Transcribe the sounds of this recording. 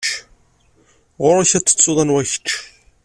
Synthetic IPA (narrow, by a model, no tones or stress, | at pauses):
ʁʊɾaçæt͡sːə̥t͡sːʊðˤænwæçə̥ʃ